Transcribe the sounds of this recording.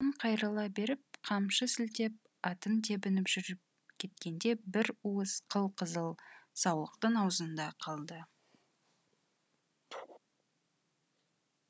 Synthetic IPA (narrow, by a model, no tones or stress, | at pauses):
ɴqʰɑjɾɑlˠɑbe̞ɾɪp̚qʰɑmʃəsɪlt̪e̞p̚ | ɑt̪ənt̪ʰe̞bɪnɪpʒ̥ʏɾɪp̚ | kʲʰe̞t̪̚kʲe̞nd̪e̞bɪɾuəsqʰəlˠqʰəzəlˠsɑwlˠəqt̪əɴɑwzənd̪ɑqʰɑlˠd̪ə